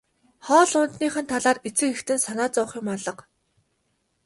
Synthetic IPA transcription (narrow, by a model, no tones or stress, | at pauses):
χɔːɮʊnt̪niːχə̆nt̪ʰaɮaːret͡sɘ̆kext̪ɘ̆nsanaːt͡sɔːχĭːmɔɮɞ̆q